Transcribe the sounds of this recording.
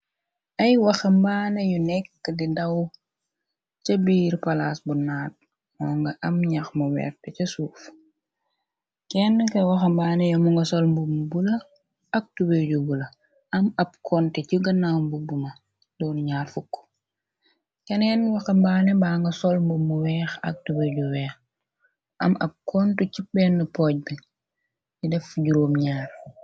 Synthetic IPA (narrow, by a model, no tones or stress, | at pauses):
ʔɐjwɐxɐmbaːnɛjunɛkːədidɐw | cɐbiːɾpɐlasbunaːt̚ | mɔːŋɡɐʔɐmɲaxmɐwɛ̰ːɾtɛcɐsuːf | kɛnkɐwɐxɐmbaːnejɔmuŋɡɐsɔlmbumbulɐ | ɐk̚tubeɟubulɐ | ɐmɐb̚kʰɔnteciɡɐnaːmbubumɐ | dɔːnɲaːrfukːɔ̥ | kɛnɛnwɐxɐmbaːnɛbaːŋɡɐsɔlmbumːuwɛːxɐ̰k̚tubeɟuwɛːx | ɐmɐb̚kʰɔntucipbɛnːəpɔːɟ̚bi | jidɛfɟuɾoːmɲaːɾ